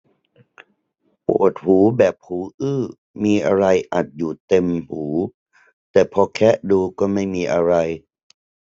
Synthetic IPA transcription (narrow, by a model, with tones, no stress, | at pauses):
po̰ː˨˩t̪̚huː˩˦bɛː˨˩p̚huː˩˦ʔɯː˥˩ | miː˧ʔa˧ɾa˧jʔa˨˩t̪̚juː˨˩t̪e˧mhuː˩˦ | t̪ɛː˨˩pʰɔː˧kʰɛ˦˥ʔduː˧kɔː˥˩ma˥˩jmiː˧ʔa˧ɾa˧j